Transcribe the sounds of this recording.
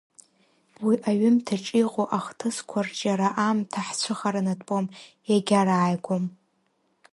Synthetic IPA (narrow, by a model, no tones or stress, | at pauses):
wiʔaɥʏmtʰaʈ͡ʂʼiqʷʼoʔaχtʰɨskʷʰart͡ʃʼaɾaʔamtʰaħt͡ɕʷʰɨχaɾanatʼpʼom | jaɡʲaɾaːjɡʷom